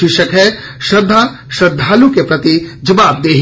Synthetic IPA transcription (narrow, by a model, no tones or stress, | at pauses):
ɪʃəkɦɛ | ʃɐd̪ʱːa | ʃɐd̪ʱːaːlukepɾɐt̪id͡ʒɐʋaːb̚d̪eːɦ